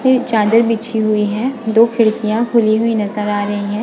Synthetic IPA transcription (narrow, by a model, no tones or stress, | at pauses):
peɾt͡ʃaːd̪əɾbit͡ʃʰiɦʊiɦɛ̃ːd̪oːkʰɪɾt̪ijãkʰʊliɦʊinɐzəɾaːɾɐɦiɦɛ̃ː